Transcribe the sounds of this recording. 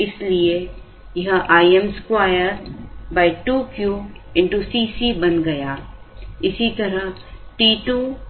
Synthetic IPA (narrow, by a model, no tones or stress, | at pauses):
ɪslie | jɐɦəʔaːiemskwaːjəɾbaːɪʈuːkjuːɪ̃ɳʈusiːsiːbɐ̃nɡɐjaː | ɪsit̪ɐɾəɦʈiːʈuː